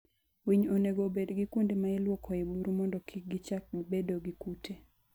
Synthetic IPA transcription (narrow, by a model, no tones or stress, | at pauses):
wiɲoneɡobedɡikundimaɪlwɔkʰɔɪbuɾmɔndɔkʰik̚ɡɪt͡ʃak̚ɡbedoɡikutʰe